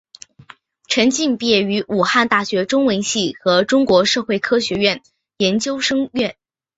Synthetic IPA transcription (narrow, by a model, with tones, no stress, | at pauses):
ʈ͡ʂʰə˧˥nt͡ɕi˥˧ŋpjɛ˥˩y˧˥ʔu˨˩xa˥˧nt̪a˥˩ɕɥɛ˧˥ʈ͡ʂʊ˥ŋwə˧˥nɕi˥˩xɤ˧˥ʈ͡ʂʊ˥ŋkwɔ˧˥ʂɤ˥˧xwe˥˩ɪkʰɤ˥ɕɥɛ˧˥ɥɛ˥˩n | jɛ˧˥nt͡ɕjo˥ʊʂɤ˥ŋɥɛ˥˩n